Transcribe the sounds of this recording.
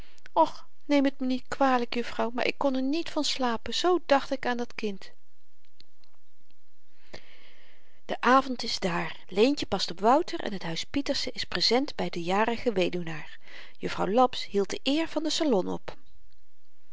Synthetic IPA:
ɔχ | nejmətmənitkʋaːɹləkjɵfrɑwma̰ːɹʔɪ̰kːɔnɛɹnitfɑnslaːpəz̥owdɑχtɪkaːndɑtkɪnt | d̥əʔaːvɔntɪzdaːɹ | lejncəpɑstɔpʋʌwtərʔɛ̰nɦətɦœɥspitəɹsəʔɪsprezɛndbɛjdəjaːrəχəʋejdunaːɹ | jɵfrɑwlɔpsɦilˠt̚d̥əʔɪːɹv̥ɑndəsalɔnɔ̰p

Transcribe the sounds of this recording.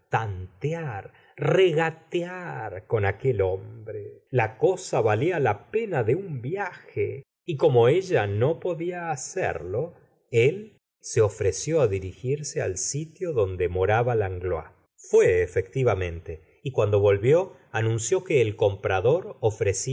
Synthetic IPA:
t̪ant̪eaɾ | reɣat̪eaɾko̞nakelombɾelako̞saβalialape̞naðeumbjaxḛ | iko̞moeʒano̞po̞ðiaːsḛɾlo̞ | el | seofɾesjoaðiɾixiɾsea̰lsit̪jo̞ðo̞nd̪emo̞ɾaβalaŋɡloa̰ | fweːfek̚t̪iβamẽ̞nt̪e | ikwand̪o̞βo̞lβjo̞ | anũnsjo̞keːlko̞mpɾaðo̞ɾofɾesi

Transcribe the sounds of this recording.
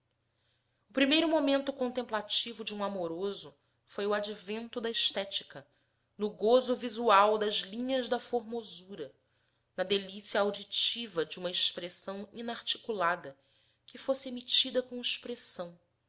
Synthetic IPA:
ʊpɾimejɾʊmomẽnt̪ʊkõnt̪ẽmplat͡ʃivʊd͡ʒɪũamoɾozʊ | fojʊad͡ʒivẽnt̪ʊd̪ɐiʃt̪ɛt͡ʃi̥kɐ | nʊɡozʊvizuawd̪ɐzlĩɲɐzd̪ɐfoɾmozuɾɐ | nɐd̪elisiɐawd͡ʒit͡ʃivɐd͡ʒɪũmɐeʃpɾesɐ̃w̃ĩnaɾt͡ʃi̥kulad̪ɐ | kɪfosɪemit͡ʃid̪ɐkõiʃpɾesɐ̃w̃

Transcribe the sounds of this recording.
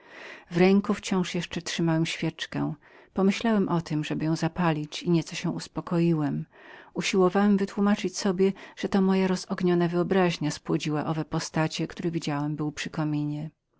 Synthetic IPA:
vɾɛŋkuft͡ɕɔ̃w̃ʂjɛʂt͡ʂɛtʂɘmawɛmɕfʲjɛt͡ʂkɛ̰̃ | pɔmɘɕlawɛmʔɔt̪ɘmʐɛbɘjɔ̃w̃zapalʲit͡ɕiɲɛt̪sɔɕɛ̃uspɔkɔjiwɛmuɕiwɔvawɛmvɘt̪wumat͡ʂɘt͡ɕsɔbʲjɛʐ̥ɛt̪ɔmɔjaɾɔz̥ɔɡɲɔnavɘɔbɾaʑɲaspwɔd͡ʑiwaʔɔvɛpɔst̪at͡ɕɛkt̪uɾɛvʲid͡ʑawɛmbɘwpʂɘkɔmʲiɲɛ

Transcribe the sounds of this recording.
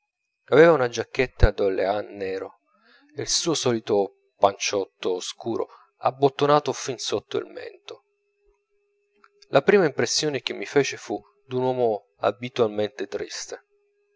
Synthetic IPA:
avɛːvaunad͡ʒakːet̪ːad̪olḛanːɛːɾo | eilsuːosɔːlit̪o | pant͡ʃɔt̪ːoskuːɾʔo̰ | a̰bːot̪ːonaːt̪ofinsot̪ːoḭlmɛ̰nt̪o | lʔapɾiːmaimpɾesːjoːnek̟emːifɛːt͡ʃefu | d̪unwɔːmo | a̰bit̪walment̪et̪ɾist̪e

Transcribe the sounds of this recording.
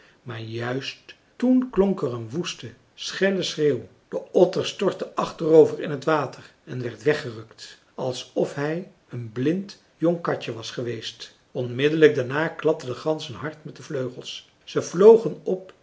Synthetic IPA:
maːɹjœɥst | unklɔŋkɛrənʋustə | sχɛləsreːw | d̥əɔtəɹstɔɹtəʔɑχtərowvərɪnɦətʋaːtər | ɛnʋɛɹtʋɛχərɵkt | ɑlˠsɔfɦɛj | ənblɪnt | jɔŋkɑcəʋɑsχəʋejst | ɔnmɪdələɡ̚daɹnaːklɑp̚tədəχɑnsənɦɑɹtmɛt̚dəvløɥχəlˠs | səv̥lowχənɔp̚

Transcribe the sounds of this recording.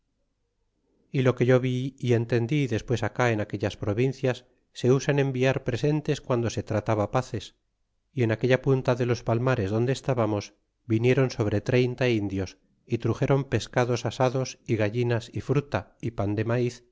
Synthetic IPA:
ilo̞ke̞ʝo̞βiie̞nt̪e̞nd̪iðe̞spwe̞sakae̞nake̞ʎaspɾo̞βinθjasː | e̞usane̞mbiaɾpɾe̞se̞nt̪e̞skwand̪o̞se̞t̪ɾat̪aβapaθe̞s | ie̞nake̞ʎapunt̪aðe̞lo̞spalmaɾe̞zðo̞nd̪eːst̪aβamo̞z | βinje̞ɾo̞nso̞β̞ɾe̞t̪ɾe̞jnt̪aind̪jo̞s | it̪ɾuxe̞ɾo̞mpe̞skaðo̞sasaðo̞siɣaʝinasifɾut̪aipand̪e̞maiθ

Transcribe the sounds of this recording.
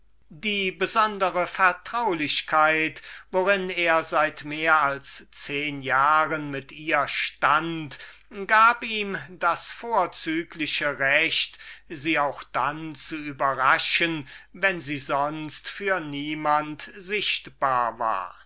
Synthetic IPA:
diːbəzɔndəʁəfɛɐtʁ̥aʊlɪɕkʰaɪtvoʁɪneːɐzaɪtmeːɐalst͡seːnjaːʁənmɪtʔiːɐʃtantɡaːpiːmdasfoːɐt͡syːklɪɕəʁɛɕtziːaʊxd̥ant͡suyːbɐʁaʃənvɛnziːzɔnstfyːɐniːmantzɪʃtb̥aːɐva̰ːɐ

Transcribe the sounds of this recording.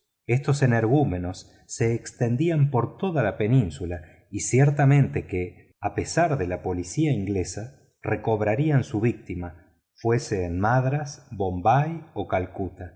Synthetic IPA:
est̪o̞seneɾɣume̞no̞sː | e̞ːkst̪e̞nd̪iampo̞ɾt̪o̞ðalape̞nĩnsula | isjeɾt̪amẽ̞nt̪e̞ke | ape̞saɾðe̞lapo̞lisiaiŋɡle̞sa | rʔeko̞β̞ɾaɾiansuβ̞ik̚t̪ima | fweseːnmaðɾasbo̞mbajo̞kalkut̪a

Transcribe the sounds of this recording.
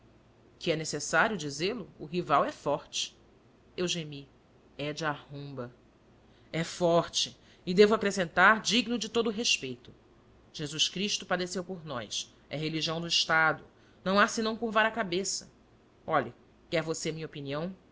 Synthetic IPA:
kʰɪɛnesesaɾjʊd͡ʒizelʊʊɦivawɛfɔɾt͡ʃɪ̥ | ewʒemi | ɛd͡ʒɪahõmbɐ | ɛfɔɾt͡ʃɪ | ɪd̪evʊakɾesẽnt̪aɾd͡ʒiɡnʊd͡ʒɪt̪od̪ʊːɦeʃpejt̪ʊ | ʒ̥ezuʃkɾiʃt̪ʊpad̪esewpoɾnɔjs | ɛɦeliʒiɐ̃w̃d̪ʊiʃt̪ad̪ʊ | nɐ̃w̃asɪnɐ̃w̃kuɾvaɾɐkabesɐ | ɔʎɐ | kɪɛɾvoseɐmĩɲopiniɐ̃w̃

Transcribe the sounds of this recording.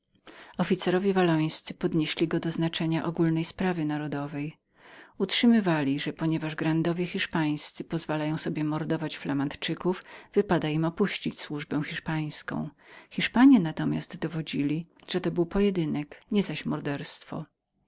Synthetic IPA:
ɔfʲit̪sɛɾɔvʲjevalɔj̃st̪sɘpɔd̪ɲeɕlʲiɡɔd̪ɔznat͡ʂɛɲaʔɔɡulnɛjspɾavɘnaɾɔd̪ɔvɛj | utʂɘmɘvalʲiʐɛpɔɲɛvaʐɡɾand̪ɔvʲjɛxʲiʂpaj̃st̪sɘpɔzvalajɔ̃w̃sɔbʲjɛmɔɾd̪ɔvat͡ɕflamant̪t͡ʂɘkuvv̥ɘpad̪aimɔpuɕt͡ɕit͡ɕswuʐbɛ̃w̃xʲiʂpaj̃skɔ̰̃w̃xʲiʂpaɲjɛnat̪ɔmʲja̰zt̪d̪ɔvɔd͡ʑilʲiʐ̥ɛt̪ɔbɘwpɔjɛd̪ɘnɛkɲɛzaɕmɔɾd̪ɛɾst̪fɔ̰

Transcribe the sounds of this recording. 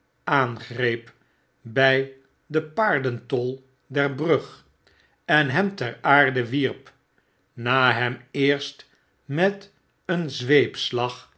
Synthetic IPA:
aːnχrejp | bɛj | dəpaːɹdəntɔlˠ | dɛɹbrɵχ | ɛnɦɛmtɛɹaːɹdəʋiɹp | naːɦɛmɪːɹst | mɛt | ənzʋejpslɑχ

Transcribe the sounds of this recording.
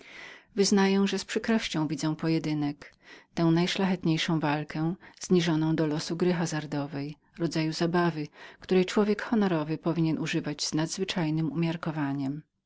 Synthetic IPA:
vɘznajɛ̃w̃ʐɛspʂɘkɾɔɕt͡ɕɔ̃w̃vʲid̪zɛ̃w̃pɔjɛd̪ɘnɛk | t̪ɛ̃w̃najʂlaxɛt̪ɲejʂɔ̃w̃valkɛz̥ɲiʐɔnɔ̃w̃d̪ɔlɔsuɡɾɘxazaɾd̪ɔvɛj | ɾɔd̪zajuzabavɘkt̪uɾɛjt͡ʂwɔvʲjɛkxɔnɔɾɔvɘpɔvʲiɲɛnuʐɘvad͡ʑz̥nad̪zvɘt͡ʂajnɘmumʲjaɾkɔvaɲɛm

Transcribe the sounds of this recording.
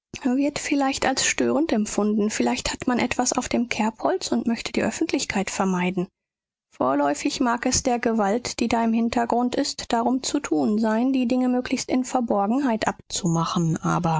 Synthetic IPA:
vɪɐtfɪlaɪçtalsʃtøːʁəntɛmfʊndn̩fɪlaɪçthatmanʔɛtv̥asa̰ʊfd̥eːmkʰɛɐphɔlt͡sʊntmœçtʰəd̥iːʔœfn̩tlɪçkʰaɪtfɛɐmaɪdn̩ | foːɐlɔʏfɪçmaːkɛsd̥eːɐɡəvaltd̥iːdaːɪmhɪntʰɐɡʁʊntɪstd̥aʁʊmt͡sutʰuːnzaɪndiːdɪŋəmøːkʰlɪçstɪnfɛɐbɔɐɡŋ̩ɦaɪtʔapt͡sumaχn̩ʔʔa̰ːbɐ

